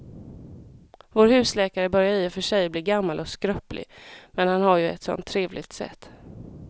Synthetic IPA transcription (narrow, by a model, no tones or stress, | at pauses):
voːɾhʉ̟ːslɛːkaɾəbœɾjaiːfœʂɛjbliːɡamːalʔɔskɾœplʔɪ̰mɛnhanhaɾjɵɛ̰t̪sɔ̰nt̪ʰːɾeːvlɪ̰ɡt̪sɛ̰t̪ː